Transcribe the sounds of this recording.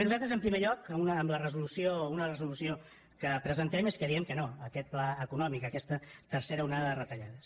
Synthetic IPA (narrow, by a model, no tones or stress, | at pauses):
nuzat̪ɾəzəmpɾimeʎɔkəunəːmlərəzulusiounərəzulusio | kəpɾəzənt̪ɛmeskəðiɛmkənoəkɛt̪̚plaəkunɔmikəkɛst̪ət̪əɾseɾəunaðəðərət̪əʎaðəs